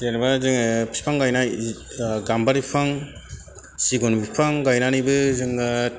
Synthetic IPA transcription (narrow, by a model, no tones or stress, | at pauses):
enbazɯŋpʰi̥spʰaŋɡajna | ɡambaɾipʰaŋ | siɡɔnbipʰaŋɡajnanibɯzɯŋɡa